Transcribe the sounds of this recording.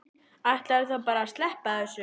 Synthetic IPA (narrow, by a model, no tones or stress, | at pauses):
aht̪laɾθapaːɾast̪lɛhpaθɛsːʏ